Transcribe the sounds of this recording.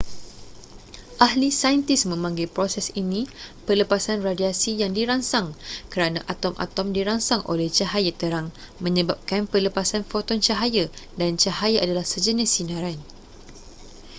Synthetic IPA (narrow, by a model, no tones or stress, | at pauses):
ʔahlisajənt̪ɪsmə̃mãŋɡilpɾosɛsinĩpərləpasanradiasijaŋdiɾaŋsaŋkəɾanãʔat̪ɔmʔa̰t̪ɔmdiɾaŋsaŋʔo̰lɛht͡ʃaɦajat̪əɾaŋ | mə̃ɲəbap̚kanpərləpasanfot̪ɔnt͡ʃaɦajadant͡ʃaɦajaʔadalahsəd͡ʒənɪsinãɾan